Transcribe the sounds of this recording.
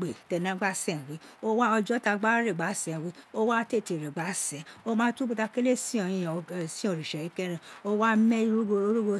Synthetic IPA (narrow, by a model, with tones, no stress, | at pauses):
ɡ͡be˨tɛ˧˨nã˨˦ɡ͡ba˦sɛ̃˦˨ɾi˨˦o˦wa˦ɔ˧d͡ʒɔ˦ta˧ɡ͡ba˦ɾe˦˨ɡ͡ba˨˦sɛ̃˨wi˨˦o˦wa˦te˦˨ti˧˨ɾe˨ɡ͡ba˨˦sɛ̃˨˦o˦mãː˦tũ˦bu˧ta˧ke˦le˦sĩ˦ɔ̃˧˨jĩ˧jsi˦o˧˨ɾi˨ʃɛ˨ɾi˨˦kɛ˦ɾɛ̃˧o˦wa˦mɛ˦˧ɾu˦ɡo˧˦ɾu˦ɡo˧